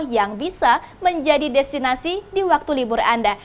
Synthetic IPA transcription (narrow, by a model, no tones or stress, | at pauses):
hjaŋbisa | məɲd͡ʒadidɛst̪inasidiwak̚t̪ulibʊra̰nda